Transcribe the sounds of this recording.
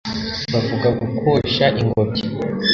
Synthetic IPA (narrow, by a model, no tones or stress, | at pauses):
βavuɡaɡukʰoʃaʔiŋɡobɟi